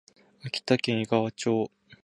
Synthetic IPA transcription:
akʲi̥t̪akẽɰ̃iɡaβat͡ɕoː

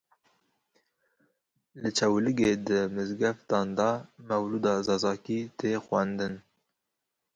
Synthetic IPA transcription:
lɨt͡ʃʰɛwlɨɡeːd̪ɨmɨzɡɛft̪ɑːnd̪ɑmɛwluːd̪ɑːzɑːzɑːkiːt̪ʰeːxwʷænd̪ɨn

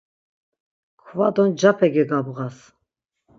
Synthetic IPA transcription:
kʰvad̪ɔnd͡ʒapʰɛɡɛɡabɣas

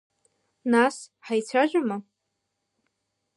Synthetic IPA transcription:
nasħajt͡sʷʰaʒʷᶣama

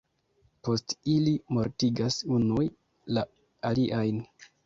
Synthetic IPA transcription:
po̞stilimo̞ɾtiɡasunuj | la | aliʔajn

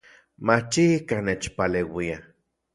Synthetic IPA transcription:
mat͡ʃiikanet͡ʃpaleːwia

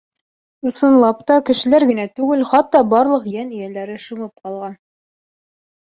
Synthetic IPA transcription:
ɤ̆sɤ̆nlˠɑpt̪ɑkɘ̆ʃɘ̆læɾɡɘ̆næt̪ʉɡɘlχɑt̪ːɑbɑɾlˠɤqjænĭjælæɾɘʃɤ̆mɤp̚qɑlˠʁɑn

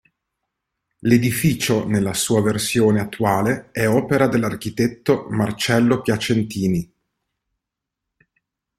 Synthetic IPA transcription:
led̪ifiːt͡ʃonelːasuːaversjoːneat̪ːwaːleɛɔːpeɾad̪elːarkit̪ɛt̪ːomart͡ʃɛlːopjat͡ʃent̪iːni

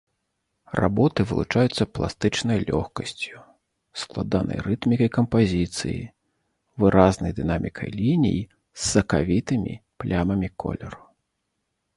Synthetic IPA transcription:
ra̰bɔt̪ɨvɨ̰lˠut͡ʂajut̪sːɐplˠa̰st̪ɨt͡ʂnɐjlʲɔ̰xkɐsʲt͡sʲju | sklˠad̪anɐ̰jrɨt̪mʲikɐjkɐmpazʲit̪sɨ̰jḭ | vɨɾʔaznɐjd̪ɨnamʲikʰɐ̰jlʲinʲḭji | sːɐkavʲit̪ɨmʲḭplʲamɐmʲikɔ̰lʲɛɾu

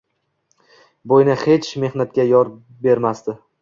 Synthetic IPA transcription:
bojnɪhe̞t͡ʃme̞hnat̪̚kʲajɒɾ | be̞ɾmast̪ɪ

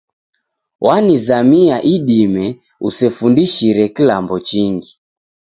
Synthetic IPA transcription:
wʔanizamiaʔiɗimɛ | usɛfundiʃiɾɛkilambɔt͡ʃiŋɡi

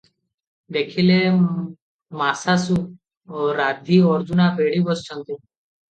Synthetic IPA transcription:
d̪ekʰile | masasu | ɾad̪ʱiɔɾd͡ʑunabʱeɽibəst͡ʃʰə̃nt̪u

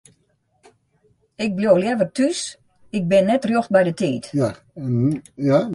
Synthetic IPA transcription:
ɪk̚bljowljɛʋərtys | ɪk̚bɪnːɛtrjoxt̚bɛjdətʰiːt | ja

